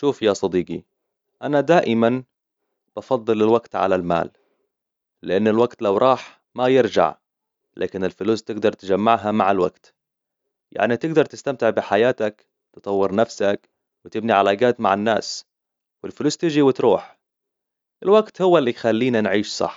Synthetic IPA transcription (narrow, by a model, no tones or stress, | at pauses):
ʃuːfjasˤɑd̪iːɡi | ʔanad̪aːʔɪman | b̥ɑfɑðˤːɨlɪlwaɡt̪ʕa̰lalma̰ːl | lɪʔanːɪlwaɡt̪lawɾˤɑːħ | majɪɾd͡ʒa̰ʕ | lʔa̰ːkɪnɪlfɪluːst̪ɪɡd̪ɑɾˤt̪ɪd͡ʒamːaʕɦamaʕalwa̰ɡt̪ | jʔa̰ʕnit̪ɪɡd̪ɑɾˤt̪ɪst̪amt̪ɪʕbɪħajaːt̪ak | t̪ɨt̪ˤɑwːɪɾnafsak | wɪt̪ɪbniʕalaːɡaːt̪maʕanːa̰ːs | wɪlfɪluːst̪ɪd͡ʒiwɪt̪ɾˤuːħ | ʔɪlwaɡt̪hʊwːalːixalːiːnanʕiːʃsˤɑ̰ħː